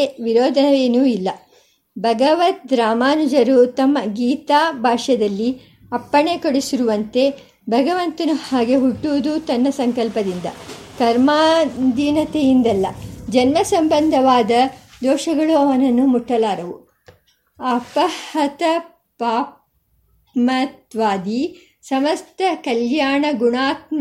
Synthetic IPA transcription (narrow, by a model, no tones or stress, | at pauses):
eʋiɾoːd̪ʱɐnɐʋeːnuːilːɐ | bʱɐɡɐʋɐt̪̚d̪ɾaːmaːnud͡ʒɐɾut̪ɐmːɐɡiːt̪aːbʱaːʂɐd̪ɐlːi | ɐpːɐɳekoɽisiɾuʋɐnt̪e̞ | bʱɐɡɐʋɐnt̪ɐnuhaːɡe̞ɦuʈːuʋud̪ut̪ɐnːɐsɐŋkɐlpɐd̪ind̪ɐ̰kɐɾmaːd̪iːnɐt̪ejind̪ɐlːɐd͡ʒɐnmɐsɐmbɐnd̪ʱɐʋaːd̪ɐd̪ɔːʃɐɡɐɭuɐʋɐnɐnːumuʈːɐlaːɾɐʋu | ɐpɐhɐt̪ɐ | paːp | mɐt̪ʋaːd̪i | sɐmɐst̪ʰɐkɐljaːɳɐɡuɳaːt̪̚mɐ